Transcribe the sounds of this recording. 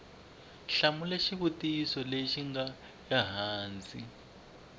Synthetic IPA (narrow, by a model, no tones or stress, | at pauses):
ɬamulɛʃiβutiːsɔleʃiŋɡa | jaɦaːnd͡zʼḭ